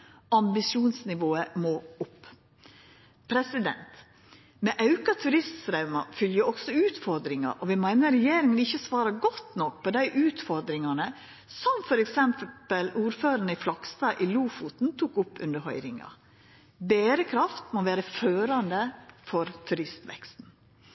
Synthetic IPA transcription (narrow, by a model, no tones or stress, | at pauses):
ʔɑmbɪsuːnsnɪʋoːəmoːʊpː | pʰɾɛsɪd̪ɛ̰nt̪ | mɛːʔɑʉkɑt̪ʰʉɾɪst̪sɾɑʉmɑ̰fʏljəɔɡsɔʉːt̪fɔɾd̪ɾɪŋɑ̰ʔɔʋɪmæɪnəɾɛjeːɾɪŋənɪçːəsʋɑːɾɑɡɔt̪ːnɔkpʰɔd̪æɪʔʉːt̪fɔɾd̪ɾɪŋɑnə | sɔmfɔɾɛksɛmppəluːɾføːɾənəɪflɑɡst̪ɑːʔiluːfut̪n̩t̪ʰuːkʊpːʉ̰nd̪əɾhœʏɾɪŋɑ̰ | beːɾəkʰɾɑft̪moʋæːɾəføːɾɑnd̪əfɔɾt̪ʰʉɾɪst̪ʋɛ̰kst̪n̩